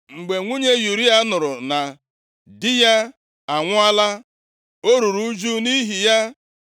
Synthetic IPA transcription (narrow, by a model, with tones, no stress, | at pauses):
ŋ͡m̩˨ɡ͡be˨ŋʷu˦ɲe˦ju˨ɾi˦a˦nʊ˨ɾʊ˨na˨ | dɪ˦ja˦ | a˨ŋʷʊ˦a˦la˦ | o˦ɾu˨ɾu˦d͡ʒu˦ni˦ɦi˨ja˦